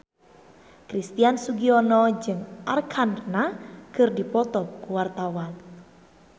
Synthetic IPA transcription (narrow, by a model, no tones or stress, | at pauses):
kɾist̪iansuɡiɔnɔd͡ʒɨŋʔarkʰannakɨrdipɔt̪ɔp̚kuwart̪awan